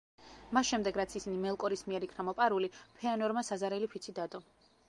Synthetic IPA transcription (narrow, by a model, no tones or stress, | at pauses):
masʃɛmd̪ɛɡɾat̪sʰisinimɛlˠkʼɔɾismiɛɾikʰnamɔpʼaɾulipʰɛanɔɾmasazaɾɛlipʰit̪sʰid̪ad̪ʼɔ